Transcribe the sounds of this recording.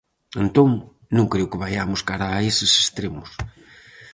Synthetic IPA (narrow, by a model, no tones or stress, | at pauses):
ent̪õŋ | nũŋkɾewkɪβajamʊskaɾaːesɪse̥st̪ɾemʊs